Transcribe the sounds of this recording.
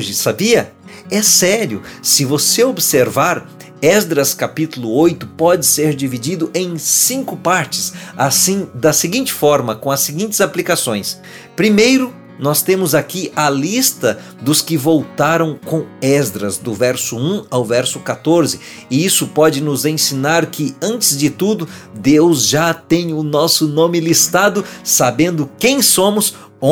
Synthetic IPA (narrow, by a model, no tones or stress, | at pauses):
ʒɪsabiɐ | ɛsɛɾjʊsɪvoseobɪseɾvaɾ | ɛzd̪ɾɐskapit̪ʊlʊojt̪ʊpɔd͡ʒɪseɾd͡ʒivid͡ʒid̪ʊʔẽj̃sĩŋkʊpaɾt͡ʃɪ̥sasĩd̪ɐsɪɡĩnt͡ʃɪ̥fɔɾmɐkõɐsɪɡĩnt͡ʃɪzaplikasõj̃s | pɾimejɾʊ | nɔst̪ẽmʊzakiʔɐlist̪ɐ | d̪ʊskɪvowt̪aɾɐ̃w̃kõɛzd̪ɾɐzd̪ʊvɛɾsʊũawvɛɾsʊkat̪oɾzɪ | ɪisʊpɔd͡ʒɪnʊzẽsinaɾkʰɪɐ̃nt͡ʃɪzd͡ʒɪt̪ud̪ʊd̪ewzʒat̪ẽj̃ʊnɔsʊnõmɪlist̪ad̪ʊsabẽnd̪ʊkẽj̃sõmʊs | o